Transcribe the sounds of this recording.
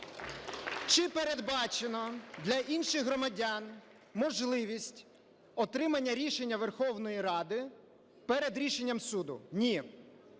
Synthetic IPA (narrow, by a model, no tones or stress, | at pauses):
t͡ʃɪpeɾed̪bɑt͡ʃenɔd̪lʲɐʔinʃɪɣɦɾɔmɐdʲan | mɔʒlˠɪʋʲisʲtʲ | ɔt̪ɾɪmɐnʲːɐɾʲiʃenʲːɐʋerxɔwnɔjiɾɑd̪ɪ | pɛɾed̪ɾʲiʃenʲːɐmsud̪ʊ̰nʲi